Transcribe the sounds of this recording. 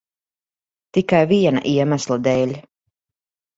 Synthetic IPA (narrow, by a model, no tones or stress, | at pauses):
t̪ikajviɛna̰ʔiɛmæslˠad̪ɛːlʲ